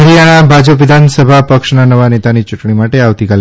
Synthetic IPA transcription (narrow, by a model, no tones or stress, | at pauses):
ɾijaɽ̃abʱad͡ʑəpʋid̪ʱansəbʱapəkʂnanəʋanet̪anit͡ʃuʈɳimaʈeaʋt̪ikal